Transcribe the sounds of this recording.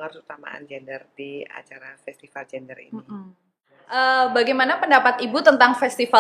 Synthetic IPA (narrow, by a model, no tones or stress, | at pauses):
ŋat̪ut̪ama̰a̰nd͡ʒɛndərdia̰t͡ʃaɾafɛst̪ifald͡ʒɛndərḭin | ʔəbaɡajmanapəndapat̪ibut̪ənt̪aŋfɛst̪ifa